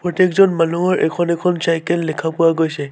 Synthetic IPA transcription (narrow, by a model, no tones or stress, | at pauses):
pɹɔtekzɔnmanuɦɔɹʔɛ̰kʰɔnɛkʰɔnsajkɛlːɛkʰapʊwaɡojsɛ